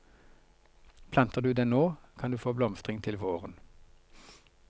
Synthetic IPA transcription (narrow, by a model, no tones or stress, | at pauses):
pʰlɑnt̪əʁd̪ʉːd̪eːnoːkʰɑnd̪ʉːfoːblɔmst̪ʁɪŋt̪ʰɪlʋoːʁən